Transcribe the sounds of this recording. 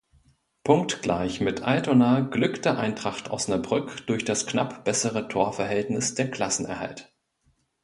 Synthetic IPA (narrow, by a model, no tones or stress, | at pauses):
pʰʊŋktɡ̥la̰ɪçmɪtʰʔa̰ɪtonaːɡlʏktəʔaɪntʁ̥aχta̰ʊsnabʁʏkd̥ʊɐçd̥asknapb̥ɛsəʁətʰoːɐfɛɐɦɛltnɪsd̥eːɐkʰl̥asn̩ɛ̰ɐha̰lt